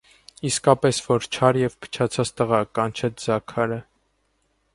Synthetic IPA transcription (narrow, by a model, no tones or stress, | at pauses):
iskɑpɛsvɔɾt͡ʃʰɑɾjɛvpʰə̥t͡ʃʰɑt͡sʰɑt͡st̪əʁɑkɑnt͡ʃʰɛt͡sʰd͡zɑkʰɑɾə